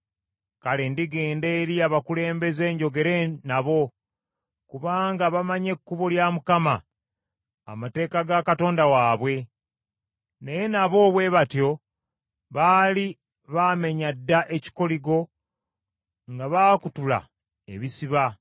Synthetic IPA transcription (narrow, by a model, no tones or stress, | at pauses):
kale̞ndiɡe̞ːnde̞ːɾiaβakule̞ːmbe̞ze̞ːɲɟo̞ɡe̞ɾenaβo̞ | kuβaːŋɡaβamaɲe̞kːuβoljamukama | mate̞ːkaɡakato̞ːndawaːβwe̞ | neje̞naβo̞ːβwe̞βatjo̞ | βaːli | βaːme̞ɲadːaʔe̞ci̥ko̞liɡo̞ | ŋɡaβaːkutula̰ | eβisiβa